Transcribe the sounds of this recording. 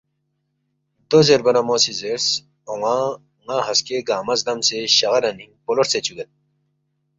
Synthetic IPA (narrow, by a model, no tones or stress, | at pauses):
d̪ozeɾbɐnɐmoːsizeɾs | oŋa | ŋaɦɐskeɡaːmɐzd̪ɐmseɕɐɣɐɾɐniŋpoloɾset͡ɕʰuɡɐn